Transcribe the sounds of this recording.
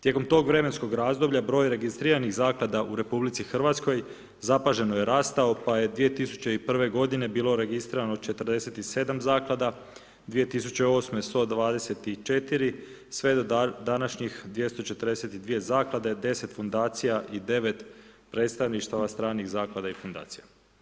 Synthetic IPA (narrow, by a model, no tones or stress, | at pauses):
t̪je̞ko̞mt̪o̞ːɡʋɾe̞me̞nsko̞ɡɾaːzd̪o̞bʎabɾo̞ːjɾe̞ɡist̪ɾiɾaniɣzaːklˠad̪aʔuɾe̞publit̪sixr̩ʋat̪sko̞j | zapaʒe̞noje̞ɾaːst̪ao̞paje̞d̪ʋije̞t̪isu̥t͡ɕe̞ipr̩ʋe̞ɡo̞d̪ine̞biːlo̞ɾe̞ɡist̪ɾiːɾanot͡ʃe̞t̪r̩d̪e̞se̞t̪ise̞ːd̪amzaːklˠad̪a | d̪ʋije̞t̪isut͡ɕe̞o̞ːsmest̪o̞d̪ʋaːd̪e̞se̞t̪it͡ʃet̪iɾi | sʋe̞d̪od̪anaʃɲixd̪je̞st̪o̞t͡ʃe̞t̪əɾd̪ese̞t̪id̪ʋije̞zaːklˠad̪ed̪e̞se̞t̪fund̪aːt̪sijaʔid̪e̞ʋe̞t̪pɾe̞ːt̪st̪aʋniʃt̪aʋast̪ɾaːniɣzaːklˠad̪aifund̪a̰ːt̪sija